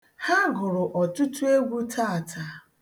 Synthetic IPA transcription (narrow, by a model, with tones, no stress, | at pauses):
ha˦ɡʊ˨ɾʊ˨ʔɔ˨tʊ˦tu˦e˦ɡʷu˦tʰa˦a˨tʰa˨